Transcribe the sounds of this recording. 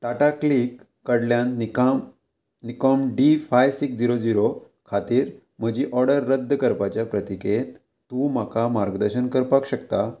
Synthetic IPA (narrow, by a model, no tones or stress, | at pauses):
ʈaʈaklikː | əɽljãnikm | nikɔmɖifajsiksd͡ʑiɾod͡ziɾo | kʰat̪iːɾ | m̤əd͡ʑiʔɔɾɽəɾːəd̪ːəkəɾpat͡ɕjapɾət̪iket̪ | t̪ũm̤akamaɾɡd̪əɾɕənkəɾpakɕəkt̪a